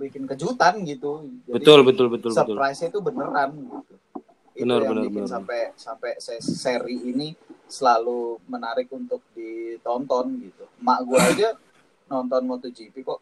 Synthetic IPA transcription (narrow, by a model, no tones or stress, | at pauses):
bikɪnkəd͡ʒut̪anɡit̪ud͡ʒabədit̪ʊlbət̪ʊlbət̪ʊlsəpɾajsat̪ubənəɾanɡit̪u | iənərənəikɪsampɛsampɛsɛseɾiːnisəlalumənaɾɪk̚unt̪ʊk̚dit̪ɔnt̪ɔnɡit̪umaʔɡuaːd͡ʒa | nɔnt̪ɔnmot̪od͡ʒipikɔʔ